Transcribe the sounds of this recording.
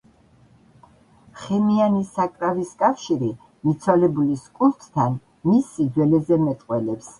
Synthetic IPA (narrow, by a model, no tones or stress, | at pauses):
χɛmianisːakʼɾaviskʼafʃiɾi | mit̪sʰwalɛbuliskʼuɾt̪ʰʼt̪ʰan | misːid̪zwɛlɛzɛmɛt̪ʼqʼwɛlɛps